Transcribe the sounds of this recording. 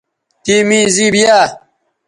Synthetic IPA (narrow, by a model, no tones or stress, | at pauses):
t̪iːmĩːziːbijaː